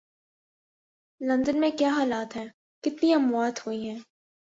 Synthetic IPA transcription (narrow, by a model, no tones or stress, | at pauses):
lɐ̃nd̪ənmẽkjaːɦaːlaːt̪ɦɛː | kɪt̪niɐmwaːt̪ɦoiɦɛ̃ː